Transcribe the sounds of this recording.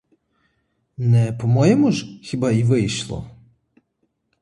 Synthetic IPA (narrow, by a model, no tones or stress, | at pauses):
nɛpɔmɔjɛmuʒxʲibaiʋɪjʃlˠɔ̰